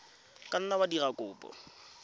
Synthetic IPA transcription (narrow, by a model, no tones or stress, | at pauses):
kʼan̩nabadirakʼʊːpʼɔ̰